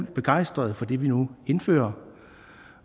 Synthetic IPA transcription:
l̰b̥e̝ɡ̥ɑ̈ɪ̰sd̥ʁɐð̞̩ˠfɒ̽d̥e̝ʋinue̝nfø̰ːɐ

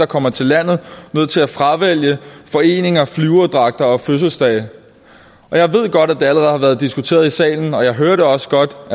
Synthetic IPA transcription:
ɑ̈kʰɒ̽m̰ɐt͡sʰe̝lːæn̰ð̞̩ˠnøð̰ˠt͡sʰe̝læfʁaʋel̰jəfɒ̽e̝̰ːne̝ŋɐflyːʊɐd̥ʁɑ̈ɡ̥̚d̥ɐɒ̽føs̬l̩sd̥ɛɪ | ʔɒ̽jɑ̈ɪʋe̝ð̞̰ˠɡ̥ɒ̽ɾ̥æd̥e̝æləʁɛð̩ˠhɑ̈ʋæɐð̞̩ˠd̥isɡ̥ut͡sʰe̝̰ːɐð̞̩ˠisɛ̰ːln̩ɒ̽jɑ̈ɪɦøːɐɾe̝ɒ̽sə̥ɡ̥ɒ̽d̥

